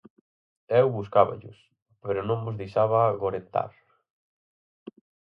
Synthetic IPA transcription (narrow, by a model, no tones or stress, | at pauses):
ɛwβuskaβa̰ʎʊ̰s | peɾʊnõŋmʊzðiʃaβaɣoɾent̪a̰ɾ